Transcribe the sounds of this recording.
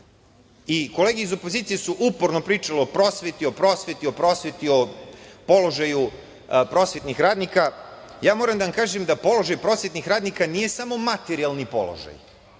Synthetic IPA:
iko̞leːɡeizo̞po̞ziːt̪sijesuʔupoɾno̞pɾiːt͡ʃalio̞pɾo̞sʋe̞t̪io̞pɾo̞sʋe̞t̪io̞pɾo̞sʋet̪io̞po̞lo̞ʒaju | pɾo̞sʋe̞t̪nixɾaːd̪nikajaːmoːɾamd̪aʋamkaːʒemd̪apo̞loʒajpɾosʋet̪nixɾaːd̪nikanije̞samo̞mat̪eɾialˠnipo̞̰lˠo̰ʒa̰j

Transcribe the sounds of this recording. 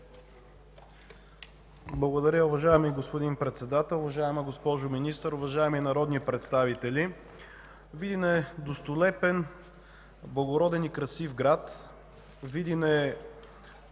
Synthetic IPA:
blˠɐɡod̪ɐɾʲjəʊvɐʒaɛmiɡospod̪inpɾɛt̪sɛd̪at̪ɛlˠʊvɐʒaɛməɡospɔʒʊminist̪əɾʊvɐʒaɛminɐɾɔd̪nipɾɛt̪st̪avit̪ɛli | vid̪inɛd̪ost̪ʊlɛpɛn | blˠɐɡoɾɔd̪ɛnikɾɐsifɡɾat̪ | vid̪inɛ

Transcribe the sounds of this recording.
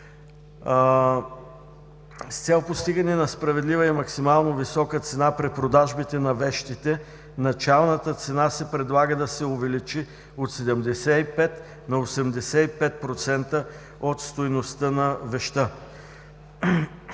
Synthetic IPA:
st̪sɛlˠpost̪iɡənɛnɐspɾɐvɛd̪livəimɐksimalˠnovisɔkət̪sɛnapɾipɾod̪aʒbit̪ɛnɐvɛʃt̪it̪ɛ | nɐt͡ʃalˠnət̪ət̪sɛnasɛpɾɛd̪lˠaɡəd̪ɐsɛovɛlit͡ʃi | ot̪sɛd̪ɛmd̪ɛsɛipɛt̪ | nɐosɛmd̪ɛsɛipɛt̪̚pɾot̪sɛnt̪ə | ot̪st̪ojnost̪ənɐvɛʃt̪ə

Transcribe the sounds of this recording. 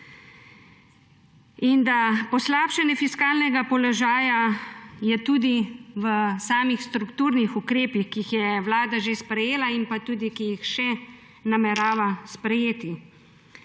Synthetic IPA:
ind̪apɔslaːpʃɛnjɛfiskaːlnɛɡapɔlɔʒaːjajɛt̪uːd̪iʋəsaːmixst̪ɾukt̪uːɾnixukɾeːpixkixjɛʋlaːd̪aʒespɾɛjeːlaimpat̪uːd̪ikijixʃɛ | namɛɾaːʋaspɾɛjeːt̪i

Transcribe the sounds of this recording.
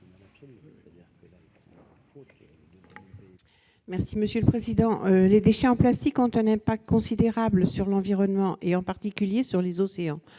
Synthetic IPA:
mɛʁsiməsjøləpχezid̪ɑ̃led̪eʃɛɑ̃plast̪ikɔ̃t̪ɛ̃nɛ̃pak̚t̪̚kɔ̃sid̪eʁabləsyʁlɑ̃viʁɔnmɑ̃ʔeɑ̃paʁt̪ikʲyljesyʁlezɔseɑ̃

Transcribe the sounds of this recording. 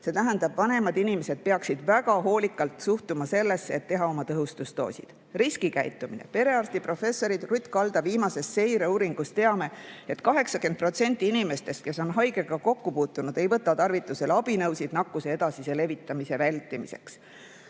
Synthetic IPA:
se̞t̪æɦænd̪ɑb̥vɑne̞mɑd̪inime̞se̞d̪̥̚pe̞ɑksid̪̥væɡɑɦo̞ːlikːˑɑlt̪suht̪umɑse̞lːe̞sːeet̪ːe̞ɦɑo̞mɑt̪ɤɦust̪ust̪o̞̰ːsḭd̪̥ | riskikæjt̪ːˑuminḛpe̞ɾe̞ɑrst̪ipro̞fe̞sːo̞ɾid̪̥rut̪ʲːˑkɑld̪̥ɑviːmɑse̞st̪se̞jɾeuːɾiŋɡ̥ust̪e̞ɑme̞e̞t̪kɑɦe̞ksɑkyenpro̞t̪se̞nʲt̪ʲːˑiinʲime̞st̪e̞st̪̚ke̞so̞nɦɑjɡe̞ɡ̥ɑko̞kːupuːt̪ːˑunud̪e̞jvɤt̪ːˑɑt̪ɑrvit̪ːˑuse̞lɑbinɤwsid̪̥nɑkːˑuse̞e̞d̪ɑsisele̞vit̪ːˑɑmise̞vælʲt̪ːˑimḭse̞̰ks

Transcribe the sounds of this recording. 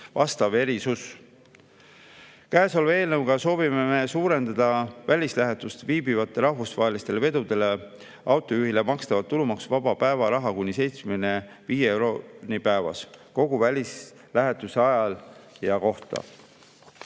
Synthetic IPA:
vɑst̪ɑve̞ɾisus | kæeso̞lve̞ːlnɤwkɑso̞ːvime̞me̞suːɾe̞nd̪̥ɑd̪̥ɑvælʲislæɦe̞t̪ːˑust̪viːbivɑt̪ːˑe̞ɾɑɦvusvɑɦelist̪e̞le̞ve̞d̪ud̪e̞le̞ | ʔɑwt̪ːˑo̞juɦile̞mɑkst̪ɑvɑt̪ːulumɑksvɑb̥ɑpæe̞vɑɾɑɦɑkunʲːise̞jt̪smene̞ | viːjeeɾonipæevɑ̰sko̞ɡ̥uvælʲis | læɦe̞t̪ːˑuse̞ɑjɑljɑko̞ht̪ɑ̰

